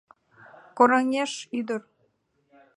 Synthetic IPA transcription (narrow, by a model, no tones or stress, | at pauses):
koɾɑŋʲeʃyd̪ər